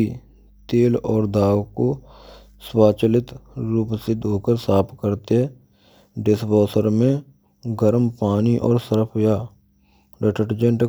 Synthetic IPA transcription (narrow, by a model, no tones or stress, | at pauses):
i | t̪eːlɔːɾd̪aːwko | swaːt͡ʃəlɪt̪ɾuːpsed̪ʱoːkəɾsaːpʰkəɾt̪eɦɛ | ɖɪsbɔːsəɾmẽ | ɡəɾmpaːniʔɔːɾsəɾəpʰjaː | ɾəʈəʈd͡ʒə̃ɳʈ